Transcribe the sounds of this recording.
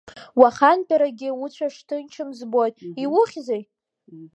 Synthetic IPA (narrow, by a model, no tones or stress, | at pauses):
waχanpʰʲʼaɾaɡʲɪʊt͡ɕʷʰaʂtʰɨnt͡ʃʰɨmzbo̞jtʼiwʊχʲzej